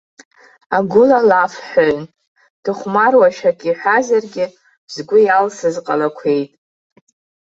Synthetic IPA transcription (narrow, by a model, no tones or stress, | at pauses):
aɡʷʊlalafħoɥn | d̥ɨχʷmarwaʃᶣakʼiħʷᶣazarɡʲɪ | z̥ɡʷʊjalsɨzqʼa̰lakʷʰe̞jtʼ